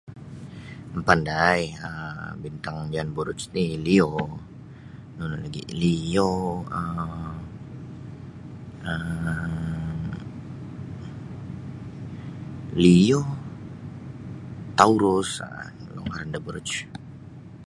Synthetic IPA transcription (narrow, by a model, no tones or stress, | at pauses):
m̩pandajəbint̪aŋd͡ʒanbuɾʊt͡ʃnilio | nulalaɡḭlijoə | ə | lijo | t̪auɾʊsa̰lɔ̰ŋaɾəndabuɾʊt͡ʃ